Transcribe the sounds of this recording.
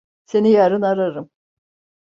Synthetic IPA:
se̞nijaɾɯnaɾaɾɯm

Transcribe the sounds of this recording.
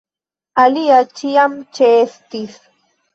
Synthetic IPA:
aliat͡ʃijamt͡ʃeːst̪is

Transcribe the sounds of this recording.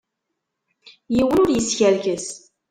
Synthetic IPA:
jiwənʊɾjəsçælkəs

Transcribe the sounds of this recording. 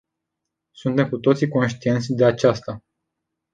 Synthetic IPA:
sunt̪e̞mkut̪o̞t̪siko̞nʃt̪ie̞nt̪sʲd̪e̞at͡ʃast̪a

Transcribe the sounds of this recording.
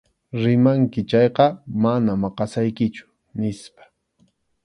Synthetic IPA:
ɾɪmaŋkɪt͡ʃɑjqɑmanamɑqɑsajkɪt͡ʃʊ̥ | nɪspḁ

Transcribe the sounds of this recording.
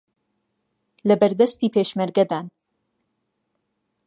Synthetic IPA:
lɐbɐɾd̪ɐst̪iːpʰeʃmɐɾɡɐd̪aːn

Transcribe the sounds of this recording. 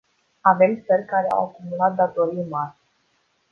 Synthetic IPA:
ave̞mt̪sərʲkaɾea̰wakumulat̪̚d̪at̪o̞ɾijmarʲ

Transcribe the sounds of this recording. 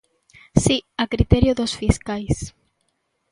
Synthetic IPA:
siakɾit̪ɛɾjoðosfiskajs

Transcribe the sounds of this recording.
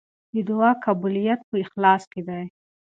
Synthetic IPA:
d̪əd̪uakabulijat̪̚pəɪxlɑsked̪aj

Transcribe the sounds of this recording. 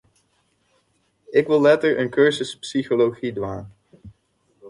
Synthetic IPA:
ɪkʋɪlˠːɛtəɹə̰nkøɹzəspsiχoloχidʋaːn

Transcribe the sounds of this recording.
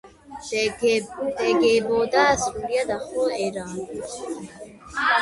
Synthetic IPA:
d̪ɛɡɛbɔd̪aːsɾuliad̪aχɔɛɾa

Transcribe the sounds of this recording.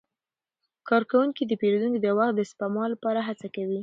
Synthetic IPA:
kɑɾkawuŋkid̪əpeɾod̪uŋkid̪əwaxd̪əspamɑlːapɑɾaɦat͡sakawi

